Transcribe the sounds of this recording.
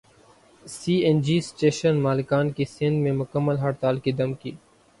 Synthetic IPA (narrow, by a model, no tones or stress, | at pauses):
siːend͡ʒiːsʈeːʃənmaːlɪkaːnkisɪ̃nd̪mẽmʊkəmːəlɦɐɽt̪aːlkid̪ɐmkiː